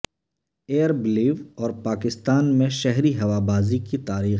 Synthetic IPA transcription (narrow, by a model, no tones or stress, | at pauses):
eːəɾbliːʋɔːɾpaːkɪst̪aːnmẽʃɛɦɾiɦɐʋabaːzikit̪aːɾiː